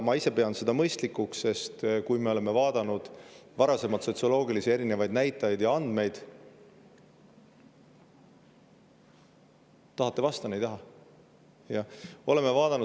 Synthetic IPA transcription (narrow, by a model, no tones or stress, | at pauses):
mɑise̞pe̞ɑnd̪se̞d̪ɑmɤjst̪likːˑuksːe̞st̪kujmeo̞le̞me̞vɑːd̪̥ɑnud̪̥vɑɾɑse̞mɑt̪so̞t̪siolo̞ːɡilisie̞ɾine̞vɑjd̪̚næjt̪ːˑɑjd̪̥jɑɑnd̪̥me̞jd̪̥ | t̪ɑɦɑt̪ːˑe̞vɑst̪ɑnejd̪ɑɦɑ | jɑo̞le̞me̞vɑːd̪ɑnu